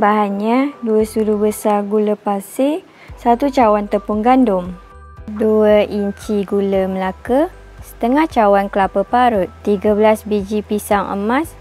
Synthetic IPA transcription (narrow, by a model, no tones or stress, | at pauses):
baɦanɲãduəsuɾubəsarɡuləpase | sat̪ut͡ʃawant̪əpuŋɡandʊm | duəʔiɲt͡ʃiɡuləməlakə | sə̥t̪əŋaht͡ʃawankəlapəpaɾʊt̪̚t̪ːiɡabəlasbid͡ʒipisaŋʔə̰mãs